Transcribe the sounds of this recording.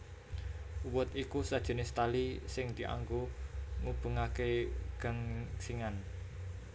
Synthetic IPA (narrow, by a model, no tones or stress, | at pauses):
wʊt̪ikusad̥ʒ̥ə̤nest̪alisɪŋd̪̥i̤ʔa̰ŋɡoŋub̥ə̤ŋakeɡ̥a̤ŋsiŋan